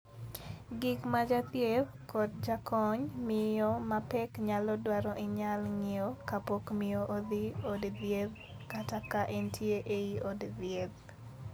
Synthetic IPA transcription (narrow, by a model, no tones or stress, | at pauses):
ɡɪkmad͡ʒat̪jeð | kɔt̚d͡ʒakʰɔɲmɪɔmapɛkɲalɔdwaɾɔʔɪɲalŋɪokapokmɪoʔod̪iodðjed | katakaʔɛntʰjeʔeiodðjeð